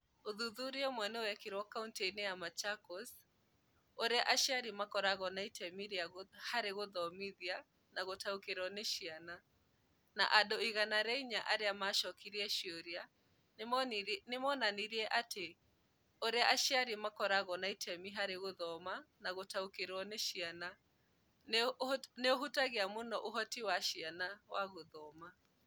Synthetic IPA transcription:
oðuðuɾiɔmwɛnɛwɛkeɾwɔkaunteinɛjamat͡ʃakɔs | oɾeaʔaʃaɾimakɔɾaɣɔnaitʰɛmiɾiahaɾeɣoðɔmiðia | naɣotaokeɾɔneʃiana | na̰ʔadɔiɣanaɾɛiɲaʔaɾeamaʃɔkiɾiɛʃioɾia | nmɔnnemɔnaniɾiɛʔate | oɾeaʔaʃiaɾimakɔɾaɣɔnaitʰɛmiɦaɾeɣoðɔmanaɣotaukeɾɔneʃiana | nneoɦutaɣeamonɔʔoɦɔtiwaʃianawaɣoðɔma

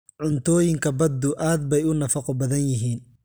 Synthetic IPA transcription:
ʕʊnt̪ʰɔːjɪŋkʰɐbɐd̪ʊʔaːd̪̚bɛjʊnɐfɑqɔbɐðɐnjɪɦiːn

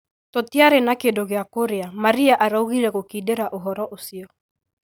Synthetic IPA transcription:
tɔtiaɾenakendoɣeakoɾeamaɾiaʔaɾauɣiɾɛɣokiːdeɾaʔoɦɔɾɔʔosiɔ

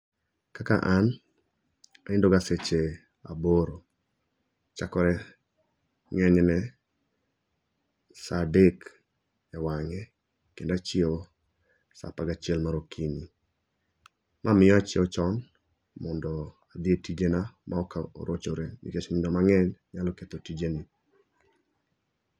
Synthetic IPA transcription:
kaka̰ʔan | aɪndoɡaset͡ʃe | a̰boɾo | t͡ʃakɔɾɛ | ŋɛɲnɛ | sadek | ɛwaŋɛ | kendat͡ʃɪo | sa̰paɡat͡ʃɪɛlmaɾokʰini | mʔamɪjɔat͡ʃɪɔt͡ʃɔn | mɔndɔ | ad̪ɪetid͡ʒenamʔaɔkao̰ɾot͡ʃoɾenḭket͡ʃmɪndɔmaŋɛɲɲalɔket̪otid͡ʒenɪ

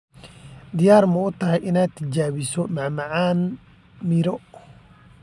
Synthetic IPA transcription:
d̪ɪjaːrmɐʊt̪ʰɐɦɛjʔɪnaːt̪ʰːɐd͡ʒaːβɪsɔmaʕmɐʕaːn | mɪɾɔ

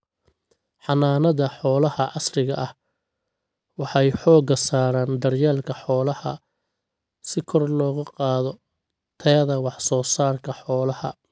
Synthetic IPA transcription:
ħɑnaːnɐðɐħɔːlɐhɐʔɑsrɪɣɐʔɐh | wɑħɑjħɔːɡɐsaːɾaːnd̪ɐrjaːlkʰɐħɔːlɐhɐ̰ | sɪkʰɔrlɔːɣʊqɑːðɔ | t̪ʰɛðɐwɑħsɔːsaːrkʰɐħɔːlɐhɐ̰

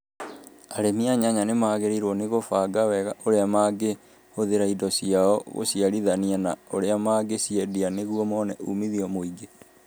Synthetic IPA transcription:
aɾemiaɲaɲanemaːɣeɾeiɾwɔneɣofaːɡawɛɣaʔoɾeamaːɡe | hoðeɾaidɔsiaɔɣo̰siaɾiðanianaoɾeamaɡesiɛdianeɣuɔmɔnɛʔumiðiɔmoiɡe

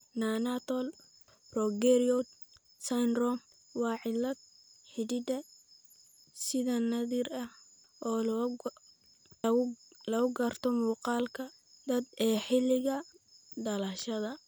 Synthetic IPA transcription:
naːnat̪ʰɔl | brɔɡɛɾiɔ | sanrɔm | wɑːʕɪlːɐd̪̚ħɪdɪd̪ɐ | sɪðɐnɐðirɐh | ʔɔː | lɐɣʊɡɐrt̪ʰɔmuːqɑːlkʰɐ | d̪ɐd̪ɛːħɪlɪɣɐ | d̪ɐlɐʃɐðɐ

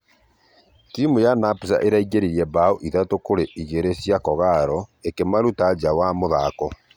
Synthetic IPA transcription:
timujanapus̬a̰ʔeɾaiɣeɾiɾiɛbaoʔiðatokoɾeʔiɣeɾesjakɔɣaɾɔekemaɾutad͡ʒawamoðakɔ

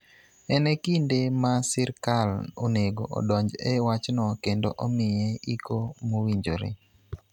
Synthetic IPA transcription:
ɛnɛkindemasɪɾkalo̰neɡo̰ʔɔ̰dɔɲd͡ʒɛwat͡ʃnɔkendoʔomɪjeikomowiɲd͡ʒo̰ɾḛ

